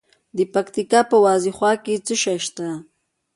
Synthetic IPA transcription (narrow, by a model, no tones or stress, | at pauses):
d̪əpakt̪ikapəwɑziχwɑket͡səʃaʃt̪a